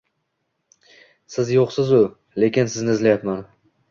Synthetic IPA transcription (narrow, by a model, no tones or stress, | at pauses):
sɪzjoqsɪzʊ | le̞kʲɪnsɪznɪzlajapman